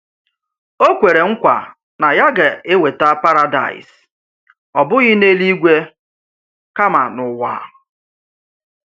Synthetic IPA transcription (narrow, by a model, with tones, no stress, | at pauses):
o˦kʷe˨ɾe˨ŋ̩˦kʷa̰˨ | na˨ja˦ɡe˨e˦we˨ta˦pa˦ɾa˦da̰˨ɪ̰˨s | ɔ˨bʊ˦ɣɪ˦ne˦li˦ɡʷe˦ | ka˦ma̰˨nʊ˨wa̰˨˦